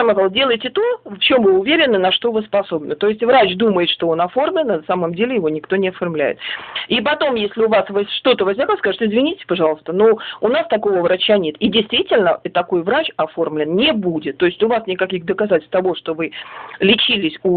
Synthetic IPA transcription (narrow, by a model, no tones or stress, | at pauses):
amɡalˠdʲelˠəjɪtʲɪt̪oft͡ɕo̞mvɨʊvʲeɾʲɪnːɨnɐʂt̪o̞vɨspɐso̞bnət̪o̞ɪsʲtʲvɾat͡ɕd̪uməjɪt̪ʂt̪oo̞nɐfo̞rmlʲɪnɐnɐsaməmdʲelʲɪjɪvo̞nʲɪkt̪o̞nʲɪɐfɐrmlʲæ̰jɪ̰t̪ipɐt̪o̞mjesʲlʲɪʊvasvɐzʲʂt̪o̞t̪əvɐzʲnʲakəskaʐɨt̪ʲɪzvʲɪnʲitʲɪ̥sʲpɐʐɑlˠəst̪ənuʊnast̪ɐko̞vəvɾɐt͡ɕːanʲe̞t̪idʲɪjst̪vʲitʲɪlʲnət̪ːɐko̞jvɾat͡ɕɐfo̞rmlʲɪnnʲɪbudʲɪt̪ːo̞ɪsʲtʲʊvasnʲɪkɐkʲixd̪əkɐzatʲɪlʲt̪ɐvo̞ʂt̪o̞vɨlʲɪt͡ɕilʲɪsʲu